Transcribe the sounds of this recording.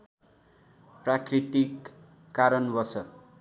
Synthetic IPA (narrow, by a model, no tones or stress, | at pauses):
prakrit̪ikː | aɾʌnbʌsʌ